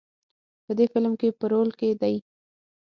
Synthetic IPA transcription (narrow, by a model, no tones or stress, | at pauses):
pəd̪efɪlmkepəɾolked̪aj